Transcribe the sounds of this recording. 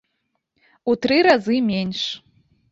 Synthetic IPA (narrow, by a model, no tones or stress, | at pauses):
ut̪ɾɨɾazɨmʲenʲʂ